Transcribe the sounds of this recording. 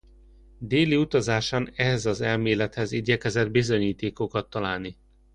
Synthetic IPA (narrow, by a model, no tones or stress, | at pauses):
d̪eːliut̪ɒzaːʃanɛɦɛzɒzɛlmeːlɛt̪hɛziɟɛkɛzɛd̪bizo̞ɲiːt̪eːko̞kɒt̪ːɒlaːlni